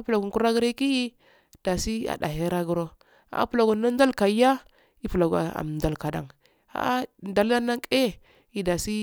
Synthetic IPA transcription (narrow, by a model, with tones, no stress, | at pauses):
pu˨la˨ɡu˨ku˦ɾa˦ɡɾi˦ki˦i˦ | d̥a˨si˦a̰˨da̰˨ɦe˦ɾa˦ɡu˦ɾo˦ | a̰˨˦pu˨la˨ɡu˨na˦n˦da˦lka˨˦ja˦ | i˦pu˨la˨ɡa̰˨a̰˨m˨nda˨lka˨da̰˨ŋ | a̰˦nda˨la˦na˦ŋke˦ | i˨da˨si˦